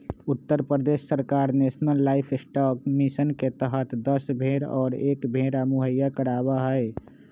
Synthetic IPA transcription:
ut̪ːəɾpɾəd̪esːəɾkaɾnesnəlːaɪpʰsʈɔkmisənket̪əɦət̪d̪əsbʱeɾɔ̰ːɾekbʱeɾamuɦəjakəɾabaɦəj

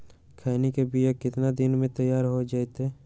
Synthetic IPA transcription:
kʰaːnikebijakɪt̪nad̪ɪnmẽt̪əjːaːɾɦod͡ʒaːet̪ɦeː

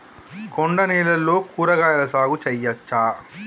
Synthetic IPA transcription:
koɳɖɐnɛːlɐlːoːkuːɾɐɡaːjɐlɐsaːɡut͡ʃɛjːɐt͡ʃːaː

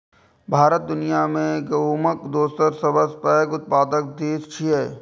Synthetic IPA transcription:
bʱaːɾət̪̚d̪ʊnijamẽɡɐɦuːməkd̪oːst̪əɾsəbəspaːkʊt̪̚paːd̪ək̚d̪iːst͡ʃʰiɦɛː

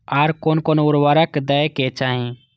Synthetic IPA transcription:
aɾkoːnkoːnuɾʋaːɾəkd̪əjket͡ʃaːɦĩ

